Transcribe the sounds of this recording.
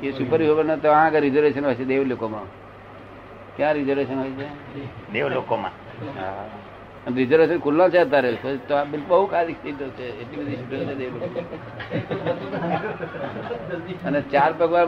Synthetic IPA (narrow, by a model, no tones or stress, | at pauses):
kesupəɾʋiobənot̪oããkaɾid͡ʒəɾʋesənɦɔjt͡ʃʰed̪eʋlokomã̰ | kjãɾizəɾʋesənɦɔjt͡ʃʰe | d̪eʋlokomã̰ | ɦa̰ | ənɾizəɾʋesənkʰulːãt͡ʃʰeət̪̬aɾekət̪oãbɪlkʰubəɦukʰad̪ikst̪it̪ot͡ʃʰeeʈlibəd̪ʱisuʈət͡ʃʰed̪eʋlokomãa | ənet͡ʃaɾpəɡʋa